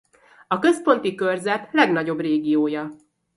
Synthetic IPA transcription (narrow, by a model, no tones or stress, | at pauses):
ɒkø̞spo̞nt̪ikø̞rzɛt̪lɛɡn̪ɒɟo̞breːɡijoːjɒ